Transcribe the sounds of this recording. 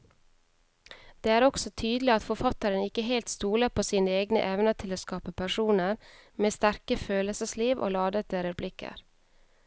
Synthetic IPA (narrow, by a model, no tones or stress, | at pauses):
d̪̥eːæːɾɔksɔt̪ʰyːd̪lɪɑt̪fɔɾfɑt̪əɾənɪkəɦeːlt̪st̪uːləpʰoːsiːnəeːɡnə̰ʔɛʋnətʰɪloːskɑːpəpʰæʂuːnəɾmeːst̪æɾkəføːləsəsliːʋʔo̰ːlɑːd̪ət̪əɾɛblɪkə̰ɾ